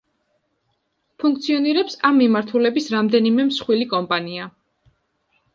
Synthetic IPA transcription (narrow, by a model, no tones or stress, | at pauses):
pʰũŋkʰt̪sʰiɔniɾɛpsamːimaɾt̪ʰulɛbisɾamd̪ɛnimɛmsχwilikʼɔmpʼania